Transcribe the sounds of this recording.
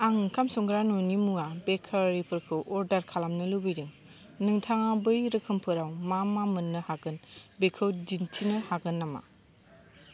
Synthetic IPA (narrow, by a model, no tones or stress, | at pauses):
aŋkʰamsɔŋɡɾanunimuabekʰaɾipʰɯɾkʰɯwʔɔɾdaɾkʰalamnɯlɯbɯjɾɯŋ | nɯŋtʰaŋabɯjɾɯkʰɯmpʰɯɾawmamamɯnːɯhaɡɯnbekʰɯwd͡ʒintʰinɯhaɡɯnːama̰